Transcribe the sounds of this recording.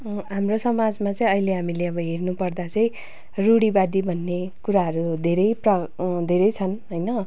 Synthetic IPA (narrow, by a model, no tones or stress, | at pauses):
ɦamrosʌmad͡zmat͡sʌ̃ĩʌileɦamileʌbʌɦernupʌrd̪at͡sʌ̃j̃ | ruɽibad̪ibʱʌnːekuɾaɦʌɾud̪ʱeɾʌjprʌd̪ʱeɾʌjt͡sʰʌnɦʌjnʌ